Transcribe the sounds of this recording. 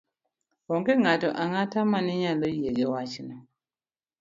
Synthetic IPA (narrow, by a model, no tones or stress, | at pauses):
wɔŋkɛŋatɔʔaŋatamaniɲalojieɡɛwat͡ʃinɔ